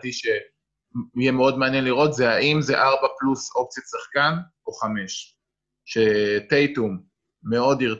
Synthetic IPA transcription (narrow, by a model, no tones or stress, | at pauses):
t̪iʃe | jɛmeo̞d̪meanjenliʁo̞t̪zeaʔimzeʔaʁbapluso̞p̚t͡sjatsaχkan | o̞χame̞ʃ | ʃet̪ejtumː | e̞o̞d̪iʁ